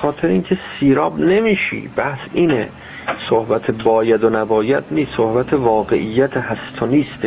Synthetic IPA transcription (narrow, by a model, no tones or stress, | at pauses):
xɒːt̪ʰeɾeiːncʰesiːɾɒːbne̞miːʃḭːb̥æhsiːne | sohbæt̪ʰebɒːjæd̪onæbɒːjæd̪niːssohbæt̪ʰevɒːɡe̞ʔijːæt̪ʰehæst̪ʰoniːst̪